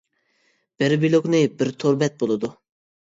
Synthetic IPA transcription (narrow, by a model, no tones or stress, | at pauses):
b̥ɪɾbilˠoknɨbɪɾt̪ʰoɾbɛt̪̚bolˠɨd̪u